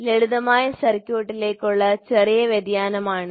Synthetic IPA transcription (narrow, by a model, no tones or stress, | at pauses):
leɻuðɐmaːjɐsɐrkʲːjoːʈːileːkːuɭːɐt͡ɕerijɐʋjɐd̪jaːnɐmaːɳɨ